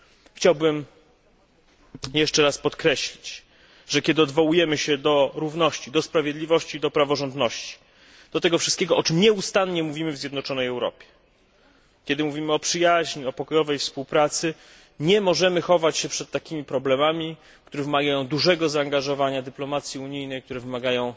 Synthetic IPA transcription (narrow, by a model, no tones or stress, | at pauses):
xt͡ɕawbɘm | jɛʂt͡ʂɛɾaspɔt̪kɾɛɕlʲit͡ɕ | ʐɛkʲɛd̪ɘɔd̪vɔwujɛmɘɕɛd̪ɔɾuvnɔɕt͡ɕid̪ɔspɾavʲjed̪lʲivɔɕt͡ɕid̪ɔpɾavɔʐɔnd̪nɔɕt͡ɕi̥ | d̪̥ɔt̪ɛɡɔfʂɨst̪kʲɛɡɔʔɔt͡ʂɘmɲɛust̪anɲɛmuvʲimɘvzʲjɛd̪nɔt͡ʂɔnɛjɛwɾɔ̰pʲjɛ̥ | kʲɛd̪ɘmuvʲimɘɔpʂɘjaʑɲiɔpɔkɔjɔvɛjfspuwpɾat̪sɘ | ɲɛmɔʐɛmɘxɔvat͡ɕɕɛpʂɛt̪ːakʲimʲipɾɔblɛmamʲi | k̚t̪uɾɛvɘmaɡajɔ̃w̃d̪uʐɛɡɔzaːŋɡaʐɔvaɲad̪ɘplɔmat̪sʲjiuɲijnɛjk̚t̪uɾɛvɘmaɡajɔ̃w̃